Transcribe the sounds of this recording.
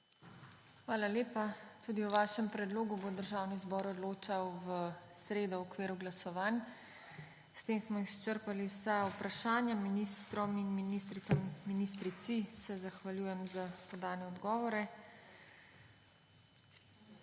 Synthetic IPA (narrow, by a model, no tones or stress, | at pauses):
xʋaːlaljeːpat̪uːd̪iwʋaːʃɛmpɾɛd̪loːɡubod̪əɾʒaːwnizbɔːɾɔd̪loːt͡ʃawʋəsɾeːd̪ɔɔkʋeːɾuɡlasɔʋaːn | st̪eːmsmɔist͡ʃəɾpaliwsaupɾaʃaːnjaminist̪ɾɔminminist̪ɾit̪samːinist̪ɾit̪sisɛzaxʋaljuːjɛmzapɔd̪aːnɛɔd̪ɡɔːʋɔɾɛ